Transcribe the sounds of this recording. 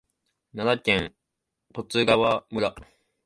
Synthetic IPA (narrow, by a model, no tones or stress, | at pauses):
nanakʲẽŋ | po̞t͡sɨɡaβamɯ̟ɾa